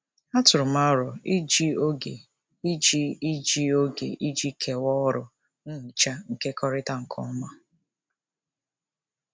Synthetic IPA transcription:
a˦tʊ˨ɾʊ˨ma˦ɔ˦ɾʊ˨i˦d͡ʒi˦o˦ɡe˨ | i˦d͡ʒi˦i˦d͡ʒi˦o˦ɡḛ˨ʔi˦d͡ʒi˦kʰe˨wɔ˦ɾʊ˨ | n̩˦˨t͡ʃa˦ŋ̩˨ke˦kʰɔ˦ɾɪ˦ta˨ŋ̩˨kʰɔ̰˦ma˦

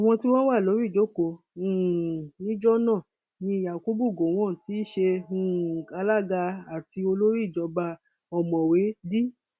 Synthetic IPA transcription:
a˨w̃ɔ̃˧ti˦w̃ɔ̃˦wa˦˨lo˨˦ɾi˦˨d͡ʒo˨˦˨ko˧˦ | ũ˨nĩ˦d͡ʒɔ˦nãː˦˨ | nĩ˧ja˨ku˦bu˦˨ɡo˨w̃ɔ̃˦˨ti˨˦ʃe˧ũ˦˨ka˧la˦˨ɡa˧a˨ti˧o˧lo˦ɾi˦˨d͡ʒɔ˨˧˦ba˧ | ɔ˨mɔ̃˨we˨˦di˦

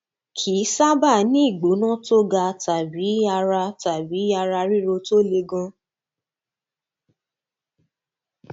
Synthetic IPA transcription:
kʰi˨˦sa˦ba˦˨nĩ˦i˦˨ɡ͡bo˨˦nã˦to˦ɡa˧ta˨bi˨˦a˧ɾa˧ta˨bi˨˦a˧ɾa˧ɾi˦ɾo˧to˦le˧ɡã˦

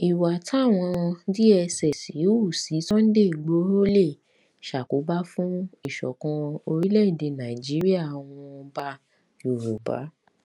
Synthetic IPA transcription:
i˨wa˨ta˦˨w̃ɔ̃˧di˦ɛ˧sɛ˨si˨˦u˦˨si˨˦tɔ̃˦n̩˦de˦i˨ɡ͡bo˨˦ɾo˦le˦˨ | ʃa˨ko˨˦ba˦fũ˦i˦˨ʃɔ̰˨kã˧o˧ɾi˦lɛ˦˨i˦˨de˧nã˨i˨d͡ʒi˨˦ɾi˦a˦˨w̃ɔ̃˧ba˦ | o˨ɾo˨ba̰˨˦

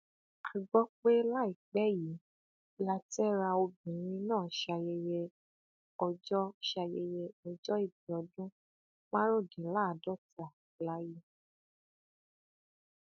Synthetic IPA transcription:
a˨ɡ͡bɔ˦k͡pe˦la˦i˨k͡pɛ˦ji˨˦ | la˧tɛ˦ɾa˧o˧bĩ˨˦ɾ̃ĩ˧nãː˦˨ʃa˧je˧je˧ | ɔ˧d͡ʒɔ˦ʃa˧je˧je˧ɔ˧d͡ʒɔ˦i˦˨b̚i˨ɔ˨˧dũ˦ | k͡pa˦ɾo˦˨dĩ˨˦la˦˨dɔ˦ta˨ | la˨˦ji˦

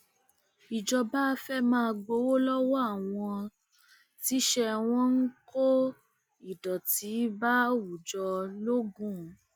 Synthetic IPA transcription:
i˨d͡ʒɔ˧ba˦˧fɛ˦mãː˦˧ɡ͡bo˧˦wo˦lɔ˦wɔ˦a˦˨w̃ɔ̃˧ | ti˦ʃɛ˧w̃ɔ̃˦n̩˦ko˦ | i˨dɔ˨ti˨˦ba˦wu˨d͡ʒɔ˧lo˦ɡũ˦˨˦

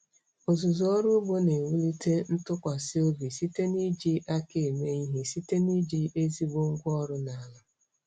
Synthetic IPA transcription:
o˨zu˨zɔ˦ɾu˦bo˦ne˨wu˦li˦te˦n̩˦tʊ˦kʷa˨sɪ˦o˦bi˨si˦te˦ni˦d͡ʒi˦ʔa˦ke˨e˨me˦i˦ɦi˦si˦te˦ni˦d͡ʒi˦e˦zi˦ɡ͡bo˦ŋ̩˦ɡʷɔ˦ɾʊ˦na˨a˨la˦

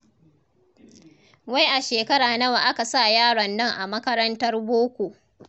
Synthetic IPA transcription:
wa˦jʔa˨ʃeː˨kɐ˦ɽaː˨nɐ˦wa˨ʔa˦ka˨sa˦˨jaː˦ɽɔ˨nːɐ˦ŋʔa˨mɐ˦kɐ˦ɾɐ˦ntɐ˦rboː˦kʷo˨ʔ

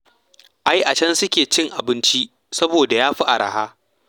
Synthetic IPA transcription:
ʔa˦jʔa˨t͡ʃɐ˦nsʊ˦kʲeː˨t͡ʃɪ˦˨ŋʔa˨bɪ˦nt͡ʃi˦ | sɐ˦boː˨da˨jaː˦ɸi˦ʔa˨ɾa̰˨haː˦

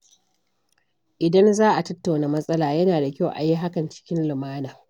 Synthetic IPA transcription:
ʔɪ˨dɐ˦nzaː˦ʔa˨tɐ˦tːa˨wnaː˨mɐ˦sʼɐ˦laː˨jɐ˦naː˨da˨kʲa˦˨wʔa̰˨ji˦ɦa˦kɐ˨nt͡ʃɪ̥˦kʲɪ˦nlɪ˨maː˦naː˨

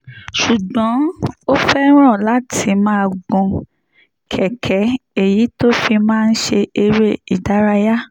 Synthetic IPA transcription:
ʃu˨ɡ͡bɔ̃˨˦o˦fɛ˦ɾ̃ã˦˨la˦tʰi˧mãː˦˧˨ɡũ˧ | kʰɛ˨kʰɛ˨˦e˦˨ji˨˦to˦fi˧mãː˦˧n̩˦ʃe˧e˧ɾe˦i˨da˨˦ɾa˧ja˦

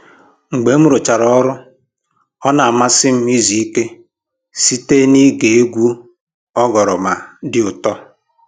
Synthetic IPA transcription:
ŋ͡m̩˨ɡ͡be˨˦m̩˦ɾʊ˨t͡ʃa˨ɾɔ˨ɔ˦ɾʊ˦ | ɔ˦na˨a˨ma˦sɪ˦m̩˦i˦zi˨i˦ke˦ | si˦te˦ni˦ɡe˨e˦ɡʷu˦ | ɔ˦ɡɔ˨ɾɔ˨ma˨dɪ˦ʊ˨tɔ˦

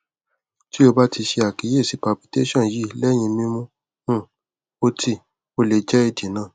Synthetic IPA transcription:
ti˦o˧ba˦ti˧ʃe˧a˨ki˨˦je˦˨si˨˦pa˨bi˨te˦ʃɔ̃˦˨ji˦˨˦lɛ˦˨j̃ĩ˧mĩ˦mũ˦ | ũ˦˨ | o˧ti˧ | o˧le˨˧d͡ʒɛ˦e˧di˨nãː˦˨

